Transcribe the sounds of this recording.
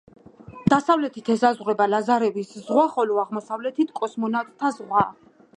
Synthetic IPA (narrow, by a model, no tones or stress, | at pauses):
d̪̥asavlɛt̪ʰit̪ʰɛsazʁwɾɛbalazaɾɛviszʁwaχɔlɔaʁmɔsavlɛt̪ʰit̪ʰkʼɔsmɔnat̪ʼt̪ʰːazʁwa